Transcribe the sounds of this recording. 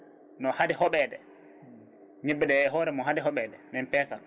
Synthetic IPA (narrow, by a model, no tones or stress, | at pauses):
nɔhadɛhɔɓɛːdɛ | ɲebːiɗɛːɦɔːɾɛmɔɦadɛɦɔɓɛːdɛmɛnpɛːsa